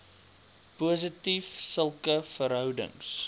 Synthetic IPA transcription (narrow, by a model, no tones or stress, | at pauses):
puəs̬ətifsəlˠkəfəɾɦœwdə̰ŋs